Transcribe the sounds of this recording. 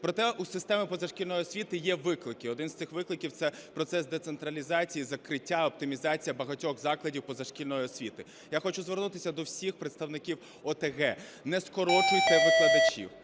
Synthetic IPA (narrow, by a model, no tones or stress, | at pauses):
pɾɔt̪ɛusɪst̪ɛmɪpɔzɐʃkʲilʲnɔjiɔsʲʋʲit̪ɪjɛʋɪklˠɪkɪɔd̪ɪnst̪ɪxʋɪklˠɪkʲiwt̪sɛpɾɔt̪sɛsd̪ɛt̪sent̪ɾɐlʲizɑt͡sʲijizɐkɾɪtʲːaɔp̚t̪ɪmʲizɑt͡sʲijɐbɐɦɐtʲɔɣzɑklˠɐdʲiwpɔzɐʃkʲilʲnɔjiɔsʲʋʲit̪ɪ | jaxɔt͡ʃʊzʋernut̪ɪsʲɐd̪ɔwsʲixpɾet̪st̪ɐwnɪkʲiw | ɔt̪eɣɛnɛskɔɾɔt͡ʃʊjt̪ɪʋɪklˠɐd̪ɐt͡ʃʲḭw